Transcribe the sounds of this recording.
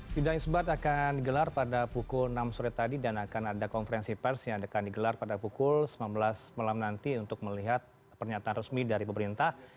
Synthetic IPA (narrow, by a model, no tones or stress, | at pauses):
t̪idaɪŋsəbat̪akandiɡəlarpadapukʊlnamsuɾɪt̪ːadidanakanadakɔnfəɾɛnsipɛrsjaŋdakandiɡəlarpadapukʊlsəmambəlasmalamnant̪iunt̪ʊk̚məliɦat̪̚ | pərɲat̪aːnrəsmidaɾipəməɾint̪ah